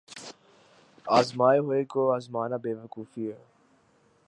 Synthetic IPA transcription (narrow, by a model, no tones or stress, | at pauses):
aːzmaːjɦoekoazmaːnabeːʋakuːfie